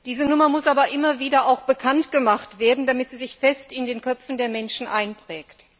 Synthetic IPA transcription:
d̥iːzənʊmɐmʊsʔaːbɐʔɪmɐviːdɐaʊxb̥əkʰantɡ̥əmaχtv̥eːɐdn̩damɪtz̥iːzɪçfɛstɪndeːnkœp͡fn̩deːɐmɛnʃn̩ʔaɪnpʁ̥ɛːkt

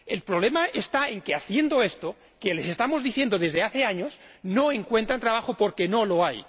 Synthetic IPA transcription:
e̞lpɾoβle̞maʔe̞st̪ae̞ŋke̞aθje̞nd̪o̞e̞st̪o̞ | ke̞le̞se̞st̪amo̞zðiθje̞nd̪o̞ðe̞zðeaθe̞aɲo̞snoeŋkwe̞nt̪ɾant̪ɾaβ̞axopo̞ɾke̞nolo̞aj

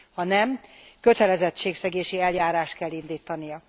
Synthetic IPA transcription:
hɒnɛmkø̞t̪ɛlɛzɛt͡ʃːeːksɛɡeːʃiɛljaːɾaːʃt̪̚kɛlːind̪iːt̪ɒnijɒ

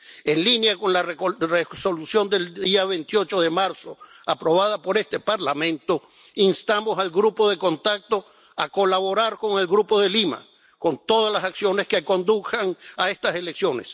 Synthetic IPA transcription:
e̞nlinjako̞nlarreso̞lusjo̞nd̪e̞ld̪iaβent̪jo̞t͡ʃo̞ðe̞maɾso̞ | apɾo̞βað̞apo̞ɾe̞st̪e̞paɾlamẽ̞nt̪o̞ | inst̪amo̞salɡɾupo̞ðe̞ko̞nt̪ak̚t̪o | ako̞laβo̞ɾaɾko̞ŋe̞lɡɾupoðelima̰ | ko̞nt̪o̞ð̞alasaksjo̞neskeko̞nd̪usaŋae̞st̪ase̞leksjo̞ne̞s

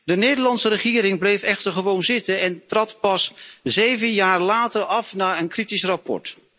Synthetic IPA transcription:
dənejdəɹlɑntsəɾəχɪːɾɪŋblejfɛχtəɹχəʋownzɪtənɛntrɑtpɑszejvənjaːɹlaːtəɹɑfnaːɹənkritisrɑpɔ̰ɹt

